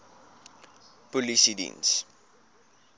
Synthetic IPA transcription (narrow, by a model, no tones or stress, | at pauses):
pɔlisidḭns